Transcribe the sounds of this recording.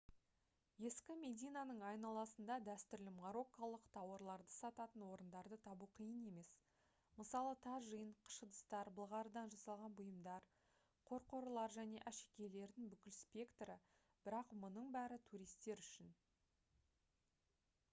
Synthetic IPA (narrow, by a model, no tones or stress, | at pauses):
je̞skʲɪme̞d̪ijnanəɴɑjnɑlˠɑsənd̪ɑd̪æst̪ʏɾlɪmʁɑɾo̞kːalˠəqt̪ʰɑwɑɾlˠɑɾd̪əsɑt̪ɑt̪ənwo̞ɾənd̪ɑɾd̪ət̪ʰɑbuqʰijəne̞me̞s | məsɑlˠət̪ʰɑʒəjəɴqʰə̥ʃəd̪əst̪ɑɾbəlˠʁɑɾəd̪ɑnʒɑsɑlˠʁɑnbʊjəmd̪ɑɾ | qʰo̞ɾqoɾəlˠɑɾʒæne̞ʔæʃekʲe̞le̞ɾd̪ɪŋbʏkʲɪlspʲe̞kt̪ɾə | b̥ɪɾɑqmʊnəɴbæɾɪt̪ʰuɾijst̪e̞ɾʏʃɪn